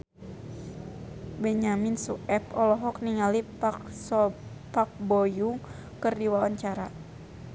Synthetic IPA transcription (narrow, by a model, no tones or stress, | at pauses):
bɛɲaminsuʔɛpɔlɔɦɔk̚niŋalipksɔ | pak̚bɔjuŋ | kɨrdiwaɔɲt͡ʃaɾa